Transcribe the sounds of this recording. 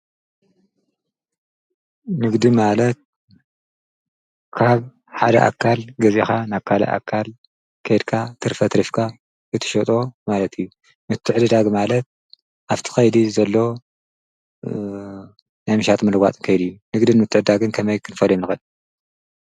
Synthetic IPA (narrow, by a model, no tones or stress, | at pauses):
nɨɡd̪imalɐt̪̚ | kʰaβ | ħad̪ɐ̰ʔa̰kʰːalɡɐzixanaβkʰalɐ̰ʔa̰kʰːal | kʰɐjd̪kʰat̪ʰɨɾfɐt̪ɾifkʰa | ɨt̪ʰɨ̥ʃot̪ʼo̞malɐt̪ʰijːu | mɨt̪ʰːɨʕɨd̪ɨd̪aɡmalɐt̪̚ | ʔaβt̪ʰi̥xɐjd̪izɐlːo̞ | najmɨʃat̪ʼmɐlɨɡʷa̰t͡s̪ʼɨnkʰɐjd̪ijːunɨɡd̪ɨnmɨt̪ʰːɨʕd̪ɨd̪aɡɨnkʰɐmɐjkʰɨnɨfɐljomnɨxɨn